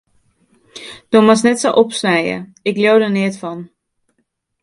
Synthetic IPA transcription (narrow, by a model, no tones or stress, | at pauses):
d̥omɑsnɛtsoʔɔpsnɛjə̰ɪkljowdənɪətfɑn